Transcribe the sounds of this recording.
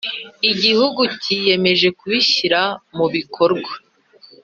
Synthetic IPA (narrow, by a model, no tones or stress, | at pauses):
iɟihuɡucije̞me̞ʒe̞kuβiçiɾamuβikʰo̞ɾɡwḁ